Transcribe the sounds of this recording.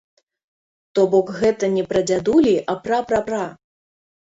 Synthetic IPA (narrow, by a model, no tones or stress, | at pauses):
t̪ɔbɔkɣɛt̪ɐnʲɛpɾɐd͡zʲad̪ulʲiʔɐpɾapɾɐpɾa